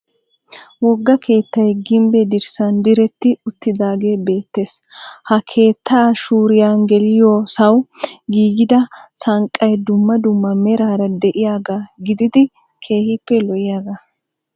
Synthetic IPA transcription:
wɔɡːɐkʰe̞ːt̪ːɐjɡɪmbɛd̪ɪɾsɐnd̪ɪɾɛt̪ːɪʊt̪ːɪd̪aːɡe̞ːbe̞ːt̪ːe̞ːshɐkʰe̞ːt̪ːaːʃuːɾɪjaːnɡɛlɪjoːsɐwɡiːɡɪd̪ɐsɐŋkʼːɐjd̪ʊmːɐd̪ʊmːɐmɛɾaːɾɐd̪ɛʔɪjaːɡaɡɪd̪ɪd̪ɪ | kʰe̞ːhɪpːɛlɔjɪjaːɡɐ

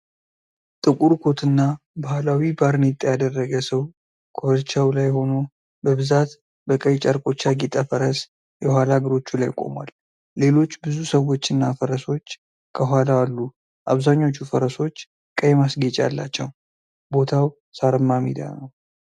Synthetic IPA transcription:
t̪ʼɨkʼuɾkʰo̞t̪ʰɨnːa | bahlawibaɾnet̪ʼjad̪ərːəɡəsəw | kʰoəɾt͡ʃːawlajho̞no̞ | bəβɨzat̪ | bəkʼəjt͡ʃʼaɾkʼo̞t͡ʃːaɡit̪ʼafəɾəs | jɛhʷalaɡəɾo̞t͡ʃːulajkʼo̞̰mwa̰lː | e̞lo̞t͡ʃːbɨzusəwo̞t͡ʃːɨnːafəɾəso̞t͡ʃː | kʰəɦʷalaalːu | ʔaβzaɲːo̞t͡ʃːufəɾəso̞t͡ʃː | kʼəjmasɡet͡ʃʼa̰lːa̰t͡ʃːɛw | bo̞t̪ʰaw | saɾəmːamḭd̪a̰nəw

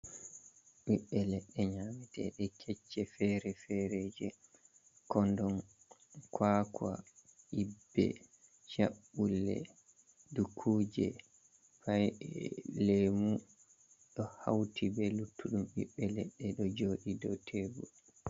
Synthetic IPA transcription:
ɓiɓːɛlɛɗːɛɲamɛtɛ̰ɗɛkʰɛt͡ʃːɛfɛɾɛfɛɾɛd͡ʒɛ | kɔndɔn | kʰwaːkwa | ibːɛ̰ | t͡ʃaɓːulːɛ̰ | dukʰuːd͡ʒɛ̰ | faj | lemu | ɗɔha̰wtibɛlutːuɗumɓḭɓːɛlɛɗːɛɗɔd͡ʒoːɗidɔtʰebu

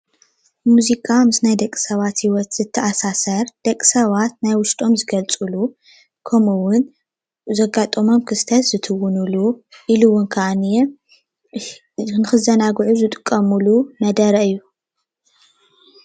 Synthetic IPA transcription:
muzikʰʼamɨsnajd̪ɐkʼːi̥sɐβat̪hiwɔt̪zɨt̪ʰːɐʔasasɐɾd̪̥ɐkʼsɐβat̪najwʊʃt̪ʼo̞mzɨɡɐlt͡sʼɨlu | kʰɐmuwʊn | zɐɡat̪ʼɐmo̞mkʰɨst̪ʰɐt̪zɨt̪ʰɨwʊnuluʔiluwʊnkʰɐʔane | nɨxɨzɐnaɡʕuzɨt̪ʼɨkʼːɐmulunɐd̪ɐɾɐɨjːu

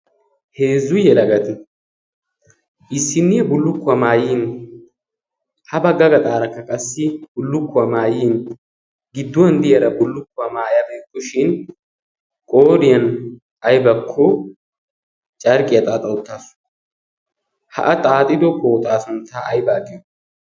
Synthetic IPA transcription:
heːzːʊjɛlɐɡɐt̪ɪ | ʔɪsːɪnːɛbʊlːʊkːʊɐmaːjiːn | hɐbɐɡːɐɡɐt̪ʼaːɾɐkːɐkʼɐsːɪbʊlːʊkːʊɐmaːjiːn | ɡɪd̪ːʊwɐnd̪ɪjɐɾɐbʊlːʊkːʊɐmaːjɐbeːkːɔʃɪn | kʼoːɾɪjɐn | ɐjbɐkʰːɔ | t͡ʃʼɐɾkʼɪjɐt̪ʼaːt̪ʼɐʊt̪ːaːsʊ̥ | hɐ̰ʔɐt̪ʼaːt̪ʼɪd̪ɔkot̪ʼaːsʊnt̪aʔɐjbaːɡʼɪj

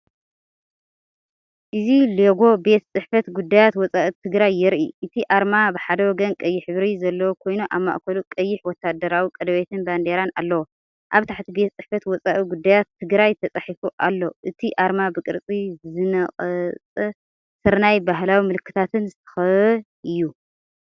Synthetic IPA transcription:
ʔɨzileɡo̞be̞t̪t͡sʼɨħfɐt̪ɡud̪ːajat̪wɔt͡sʼaʔit̪ʰɨɡɾajːɪɾʔiʔɨt̪ʰiʔaɾmabɨħad̪ɐwɔɡɐnkʼɐjːɪħɨβɾizɐlːɐwokʰo̞jnuʔa̰βma̰ʔkʰɐlukʼɐjːɪħwɔt̪ʰːad̪ɐɾawikʼɐd̪ɐβet̪ʰɨnband̪eɾana̰lːɐwo | ʔaβt̪ʰaħt̪ʰibe̞t̪t͡sʼɨħfɐt̪wɔt͡sʼaʔiɡud̪ːajat̪ʰːɨɡɾajt̪ʰɐt͡sʼaħifuʔalːoʔɨt̪ʰiʔaɾmabɨkʼɨ̰ɾt͡sʼizɨnɐχʼɐt͡sʼ | sɨɾnajbaɦlawimɨlɨkʰːɨt̪ʰat̪ʰɨnzɨt̪ʰɐ̥xɐβɨ | ɨjːu

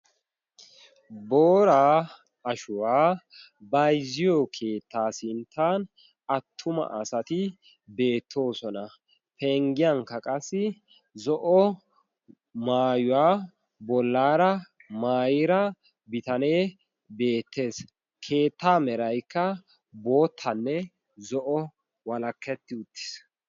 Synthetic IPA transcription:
boːɾaː | ɐʃʊwaː | bɐjzɪjɔkʰe̞ːt̪ːaːsɪnt̪ʰːaːn | ɐt̪ʰːʊmɐ̰ʔɐsɐt̪ɪ | be̞ːt̪ʰːo̞ːsɔnɐ | pɛŋɡɪjɐŋkːɐkʼɐsːɪ | zɔʔɔ | maːjʊwaː | bɔlːaːɾɐ | maːjɪɾɐ | bɪt̪ɐne̞ː | be̞ːt̪ʰːe̞ːs | kʰe̞ːt̪ːaːmɛɾɐjkːɐ | bo̞ːt̪ʰːɐnːɛ | zɔʔɔ | wɐlɐkːɛt̪ːɪʊt̪ːɪ̥s

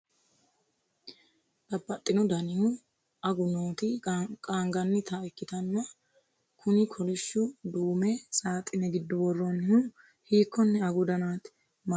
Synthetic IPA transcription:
d̪̥ɐbːɐt̪ʼːɪnʊd̪ɐnɪhʊ | ɐɡʊnoːt̪ɪkʼaːŋɡɐnːɪt̪ʰɐɪkːɪt̪ɐnːɐ | kʰʊnɪkʰɔlɪʃːʊd̪uːmɛsʼaːt̪ʼːɪnɛɡɪd̪ːʊbɔrːɔnɪhʊ | hiːkːɔnːɛɐɡʊd̪ɐnaːt̪ | m

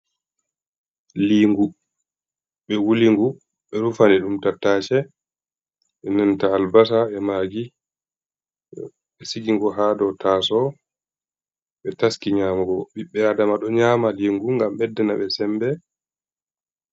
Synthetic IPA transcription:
liːŋɡu | ɓɛwuliŋɡu | ɓɛɾufanɛɗumtatːaːt͡ʃɛ | ɓɛnɛntaːlbas̬aɛmaːɡi | ɓɛsiɡiŋɡɔɦaːdɔtʰaːsɔ | ɓɛtaskiɲaːmaɡɔɓiɓːɛadamaɗɔɲaːmaliŋɡuŋɡamɓɛdːɛnaɓɛsɛmbɛ

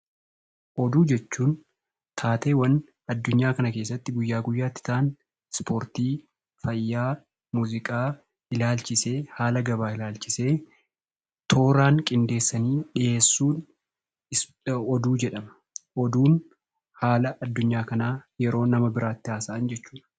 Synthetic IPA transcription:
ʔɔd̪uːd͡ʒɛt͡ʃːuːn | t̪ʰaːt̪eːwɐn | ɐd̪ːʊɲːaːkɐnɐke̞ːs̬ːɐt̪ːɪɡʊjːaːɡʊjːaːt̪ːɪ̥t̪ʰaʔn | spoːɾt̪iː | fɐjːaː | muːzɪkʼaː | ɪlaːlt͡ʃɪseːhaːlɐɡɐbaːɪlaːlt͡ʃɪse̞ː | t̪ʰo̞ːɾaːŋkʼɪnd̪e̞ːsːɐniːᶑɪʔe̞ːsːuːn | ɔd̪uːd͡ʒɛᶑɐmɐ | ʔɔd̪uːn | haːlɐʔɐd̪ːʊɲːaːkɐnaːjɛɾo̞ːnɐmɐbɪɾʔaːt̪ːɪaːsɐʔɐnd͡ʒɛt͡ʃːuːᶑɐ̥

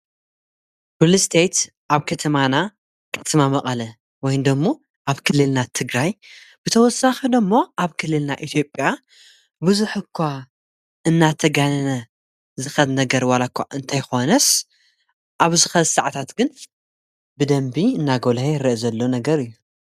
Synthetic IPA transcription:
bulɨst̪ʰejt̪ | ʔaβkʰɐt̪ʰɐmana | kʰɐ̥t̪ʰɐmamɐqʼɐlɐ | wɔjnd̪ɐmːo | ʔaβkʰɨlːɨlnat̪ʰɨɡɾaj | b̥ɨt̪ʰɐwɔsaxid̪ɐmːo̞ʔaβkʰɨlːɨlnaʔit̪ʰjo̞pʼja | bɨzuħɨkʰːʷa | ɨnːat̪ʰɐɡanɐnɐ | zɨxɐlnɐɡɐɾwalakʰʷːaʔɨnt̪ʰajxo̞nɐs | ʔaβzɨxɐlsaʕt̪ʰat̪ɡɨn | bɨd̪ɐmbiɨnːaɡo̞lheɾɐʔzɐlːo̞nɐɡɐɾɨjːu

